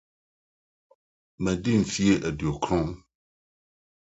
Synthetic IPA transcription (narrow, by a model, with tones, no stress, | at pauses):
mɛ̃˨di˦m̩˨fi˦e˦ʔɛ˨du˨o˨kʰɾɔ̃˦m